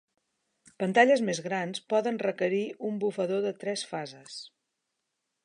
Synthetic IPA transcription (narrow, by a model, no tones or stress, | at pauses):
pənt̪aʎəzmezɣɾanspɔðənrəkəɾiumbufəðoðət̪ɾɛsfazəs